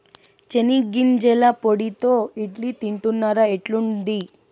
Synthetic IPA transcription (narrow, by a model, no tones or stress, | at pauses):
t͡ʃeniɡind͡ʒɛlapoɽit̪oːiʈlit̪iɳʈunːaːɾaeʈlund̪i